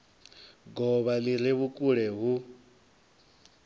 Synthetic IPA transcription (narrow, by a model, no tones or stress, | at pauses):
ɡɔβaliɾ̤iβukʼuɺɛɦu